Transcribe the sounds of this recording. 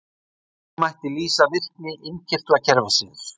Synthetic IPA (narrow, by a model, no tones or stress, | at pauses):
majht̪ɪliːsavɪr̥knɪʔɪncʰɪr̥t̪acʰɛɾvasiːðʏɾ̥